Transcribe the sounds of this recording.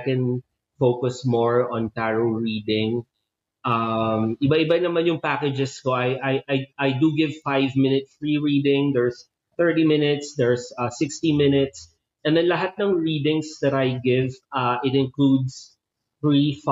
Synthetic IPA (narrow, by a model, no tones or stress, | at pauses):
kɛ̃n | fowkʊsmɔɹɔ̃nt̪aɹoɹiːd̪ɪ̃ŋ | ʔɐmɪbɐʔɪbɐnɐmanjʊŋpaːkɛd͡ʒɛskoʔɐjʔajʔajʔajd̪uɡɪvfajvmɪ̃nɪt̪sfɹiɹiːd̪ɪ̃ŋd̪ɛɹs | θɜ˞t̪imɪnɪt̪sd̪ɛɹsɐsɪkst̪imɪnɪt̪s | ʔɛ̃nd̪ɛnlɐɦat̪̚nɐŋɹiːd̪ɪ̃ŋsd̪ɐt̪ɐjɡɪvʔɐʔɪt̪ɪ̃nklud̪s | θɹif